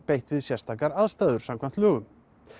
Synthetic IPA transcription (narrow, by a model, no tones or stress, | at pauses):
pejht̪vɪðsjɛrst̪ʰaːkaɾaðst̪aːðʏɾ̥samkʰvan̥t̪lœːɣʏm